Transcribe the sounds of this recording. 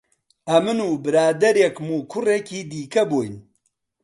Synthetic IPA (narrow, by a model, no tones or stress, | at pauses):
ʔɐmɨnuːbɨɾaːd̪ɐɾjekmuːkʰʊrekiːd̪iːkɐboːjn